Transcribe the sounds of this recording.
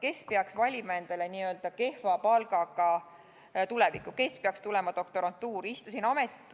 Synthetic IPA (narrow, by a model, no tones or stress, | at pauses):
ke̞spe̞ɑksvɑlʲimɑend̪̥ɑleniø̞ld̪̥ɑke̞hfɑpɑlɡɑkɑ | t̪ulɛvḭkːˑuke̞speɑkst̪ulɛmɑd̪̥o̞k̚t̪o̞ɾɑnt̪ːuːɾist̪usinɑmet̪ˑ